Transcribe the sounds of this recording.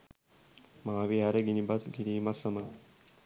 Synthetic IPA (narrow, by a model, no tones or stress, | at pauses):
maːʋiaɾɐɡinibɐt̪ɡiɾiːmɐsɐmɐŋ